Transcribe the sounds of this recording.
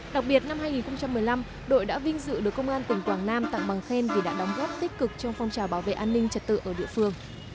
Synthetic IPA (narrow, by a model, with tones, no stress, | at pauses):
ɗa˨˩k̚ɓi˨˩ət̚na˧mɦaː˧jŋi˨˩nxə˧wŋ͡mt͡ɕa˧mːɨ˨˩əjla˧m | ɗo̰˧˨jɗa̰ː˧˥vï˧ŋzɨ̰˧˨ɗɨ˨˩əkːə˧wŋ͡mʔaː˧nt̪ï˨˩ŋ̟kwaː˧˩ŋnaː˧mt̪a̰ː˧˨ŋɓa˨˩ŋxe˧nvi˨˩ɗa̰ː˧˥ɗɔ˨˦wŋ͡mɣo˦˥p̚t̪i˦˥k̚kɨ˨˩k̚t͡ɕɔ˧wŋ͡mfɔ˧wŋ͡mt͡ɕaː˨˩wɓaː˧˩wvḛ˧˨ʔaː˧nːï˧ŋ̟t͡ɕə˨˩t̚t̪ɨ̰˧˨ʔəː˧˩ɗḭ˧əfɨ˧əŋ